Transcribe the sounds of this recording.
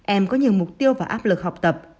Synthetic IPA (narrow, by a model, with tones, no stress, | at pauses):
ʔɛ˧mkɔ˨˦ɲi˨˩əwmʊ˨˩k͡p̚t̪i˧əwvaː˨˩ʔaː˦˥p̚lɨ˨˩k̚ha˨˩k͡p̚t̪ə˨˩p̚